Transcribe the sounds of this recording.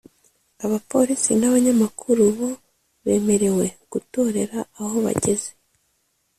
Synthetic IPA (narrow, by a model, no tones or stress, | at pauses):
aβapo̞ɾisinaβaɲamakʰuɾuβo̞ | βe̞ːme̞ɾe̞we̞ɡ̥uto̞ːɾe̞ɾaːho̞βa̰ɟe̞ze